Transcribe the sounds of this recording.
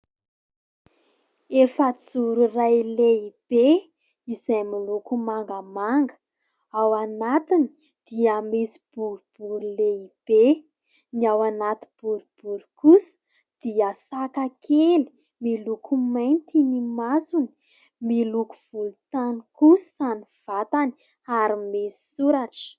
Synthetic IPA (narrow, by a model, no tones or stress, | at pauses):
efət͡suɾurajleib̥e | izajmilukumaŋɡamaŋɡə̥ | awanat̪ini | d̪̥iamisi̥b̥uɾub̥uɾuleib̥e | niawanat̪ib̥uɾub̥uɾu̥kusə̥ | d̪̥iəsakakʰeli̥ | milukʰumajnt̪inimasuni̥ | miluku̥v̥ulut̪aniku̥saniv̥at̪ani̥ | aɾimesi̥suɾaʈ͡ʂə̥